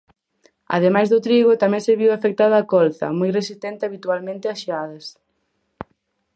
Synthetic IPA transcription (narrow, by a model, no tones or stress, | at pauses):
a̰ð̞emajzðʊt̪ɾiɣʊt̪amɛ̃ŋseβiwafek̚t̪aðaakɔlθɐ̰mojresist̪ɛnt̪ɪaβit̪ualmẽnt̪ɪaʃeaðɐs